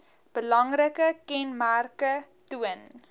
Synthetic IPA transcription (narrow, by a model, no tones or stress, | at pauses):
b̥əlɐŋrəkəkɛnmærkə | tuən